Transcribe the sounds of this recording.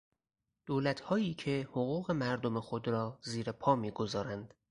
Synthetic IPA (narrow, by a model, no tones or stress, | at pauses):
d̪̥oːlæt̪hɒːjiːcʰe̞hoɣuːɣe̞mæɾd̪o̞me̞xo̞d̪ɾɒːziːɾepʰɒːmiːɡo̞zɒːɾænd̪̥